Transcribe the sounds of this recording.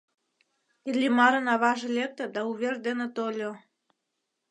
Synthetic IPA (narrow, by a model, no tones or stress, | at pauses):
ilʲːimɑɾənɑβɑʒĕlʲek̚t̪ə̆d̪ɑuβʲerd̪enet̪olʲo